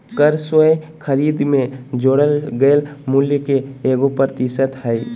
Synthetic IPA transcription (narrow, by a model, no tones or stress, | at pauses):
kəɾswəjkʰəɾiːd̪mẽd͡ʒoːɽəlɡəlmʊljəkeeːɡopɾəɾt̪ɪsət̪ɦɛɪ